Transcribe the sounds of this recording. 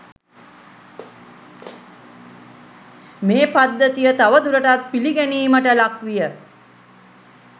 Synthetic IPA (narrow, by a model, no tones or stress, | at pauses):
meːpad̪ːət̪ijət̪aʋəd̪uɾəʈat̪̚piliɡæniːməʈəlakʋijə